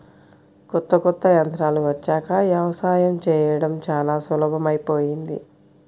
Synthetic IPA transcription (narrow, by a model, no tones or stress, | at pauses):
kɔt̪ːɐkɔt̪ːɐjɐnt̪ɾaːluʋɐt͡ʃːaːkɐʋjɐʋɐsaːjɐmt͡ʃɛːjɐɽɐmt͡ʃaːlaːsʋɐlɐbʱɐmɐjpoːjind̪ḭ